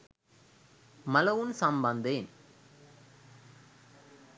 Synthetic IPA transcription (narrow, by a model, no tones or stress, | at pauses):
mɐlɐʋɯnsɐmbɐnd̪eːn